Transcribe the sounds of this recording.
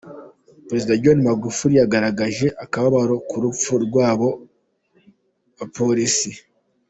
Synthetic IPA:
pɾe̞zidaɟonimaɡufuɾijaɡaɾaɡaʒe̞ʔakaβaβaɾo̞kuɾup͡fuɾɡwaːβo̞ | βapoɾisi

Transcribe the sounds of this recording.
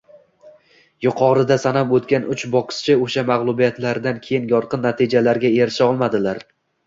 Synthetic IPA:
jʊqʰɒɾɪd̪asanapot̪kʲanʊt͡ʃbɒqɨ̥st͡ʃʰɪoʃamaʁlˠʊbijat̪laɾd̪ankʲʰe̞jɪnjɒɾqɨnːat̪ʰɪd͡ʒalaɾɡʲaeɾʃɪɒlˠmad̪ɪlaɾ

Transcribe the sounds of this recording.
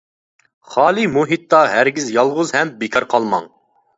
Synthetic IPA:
χɑːlˠimuɦit̪ːɑɦæɾɡʲizjɑlˠʁʊzhɛmbekʲʰɑɾqʰɑlˠmɑ̰ŋ

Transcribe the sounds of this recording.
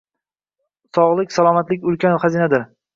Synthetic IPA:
sɒʁlˠɪkʲsalˠɒmat̪lɪkʲʊlkʲanχazinad̪ɪɾ

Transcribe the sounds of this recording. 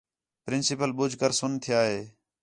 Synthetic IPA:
pɾɪnsɪpəlɓʊd͡ʒʱkəɾsʊnt̪ʰɪjaːɦeː

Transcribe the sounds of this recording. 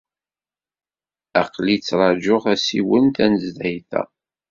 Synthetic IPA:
æqlit͡sːɾˤɑd͡ʒʊʁæsiwənt̪ænəzd̪ijθæ̰

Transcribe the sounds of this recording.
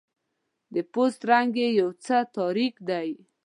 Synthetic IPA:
d̪əpost̪ɾaŋɡejawt͡sət̪ɑɾikd̪aj

